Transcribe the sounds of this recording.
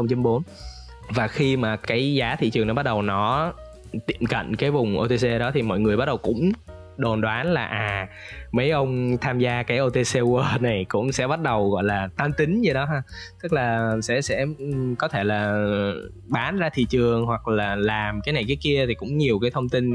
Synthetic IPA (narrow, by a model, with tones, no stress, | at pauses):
xə˧wŋ͡mt͡ɕə˨˦mɓo˨˦n | vaː˨˩xi˧maː˨˩kaː˨˦jzaː˨˦t̪ʰḭ˧˨t͡ɕɨ˨˩əŋnɔ˨˦ɓa˦˥t̚ɗə˨˩wnɔ˨˦ | t̪ḭ˧˨əmkə̰˧˨jŋ̟kaː˨˦jvʊ˨˩ŋ͡mʔo˧t̪e˧se˧ɗɔ˨˦t̪ʰi˨˩mɔ̰˧˨jŋɨ˨˩əjɓa˦˥t̚ɗə˨˩wkʊ̰˧˥ŋ͡m | ɗo˨˩nɗwaː˨˦nlaː˨˩ʔaː˨˩˨mə˨˦jʔə˧wŋ͡mt̪ʰaː˧mzaː˧kaː˨˦jʔo˧t̪e˧se˧wəː˧na˨˩jkʊ̰˧˥ŋ͡msɛ̰˧˥ɓa˦˥t̚ɗə˨˩wɣɔ̰˧˨jlaː˨˩t̪aː˧mt̪ï˨˦ŋ̟zə˧ɗɔ˨˦ɦaː˧t̪ɨ˦˥k̚laː˨˩sɛ̰˧˥sɛ̰˧˥kɔ˨˦t̪ʰe˧˩laː˨˩ | ɓaː˨˦nzaː˧t̪ʰḭ˧˨t͡ɕɨ˨˩əŋɦwa˨˩k̚laː˨˩laː˨˩mkaː˨˦jna˨˩jkaː˨˦jki˧ət̪ʰi˨˩kʊ̰˧˥ŋ͡mɲi˨˩əwkaː˨˦jt̪ʰə˧wŋ͡mt̪i˧n